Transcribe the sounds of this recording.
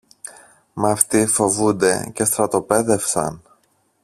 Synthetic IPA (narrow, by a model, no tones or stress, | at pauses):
mɐft̪ifo̞vund̪e̞̰ce̞st̪ɾɐt̪o̞pe̞ðe̞fsɐ̰n